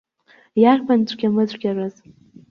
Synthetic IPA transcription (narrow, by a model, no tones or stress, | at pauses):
jarpʰant͡ɕʷʼɡʲamɨzʷʼɡʲarɨz̥